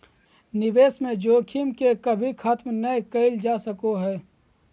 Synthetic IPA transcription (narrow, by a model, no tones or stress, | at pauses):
nɪʋeːsmẽd͡ʒoːkʰimkekɐbʱikʰat̪mnəekəɪld͡ʒaːsəkoɦɛː